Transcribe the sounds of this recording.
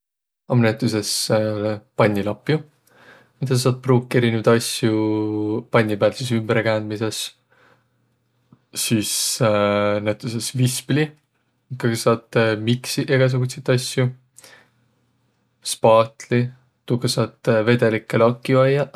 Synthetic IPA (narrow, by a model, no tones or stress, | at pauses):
ɑmnæt̪ːˑus̬e̞s | pɑnʲːilɑpːˑju | mid̪̥ɑssɑːt̪̚pruːkːˑe̞ɾinevd̪ɑsʲju | pɑnʲːipæːlsisymbɾekæːnd̪mise̞s | iːs | næt̪ːˑuse̞svispli | kːɑɡsɑːt̪miksiʔeɡ̥ɑs̬uɡ̥ut̪set̪ːˑɑsju | spɑːt̪li | t̪ukesɑt̪ːˑve̞d̪̥e̞likːelɑkːˑjuɑjːɑ